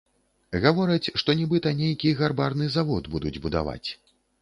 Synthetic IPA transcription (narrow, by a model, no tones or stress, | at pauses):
ɣavɔɾɐt͡sʲʂt̪ɔnʲɛbɨt̪ɐnʲejkʲiɣarbarnɨzavɔd̪bud̪ud͡zʲbud̪a̰va̰t͡sʲ